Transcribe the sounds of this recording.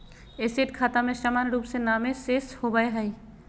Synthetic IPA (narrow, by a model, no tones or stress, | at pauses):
eːseːʈkʰaːt̪amẽʃamaːnɾuːpsenaːmẽseːshobəeɦɐi